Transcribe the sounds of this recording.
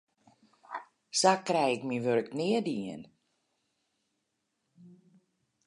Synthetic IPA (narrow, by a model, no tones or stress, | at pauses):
sakrɛjɪkmiʋørknɪədiən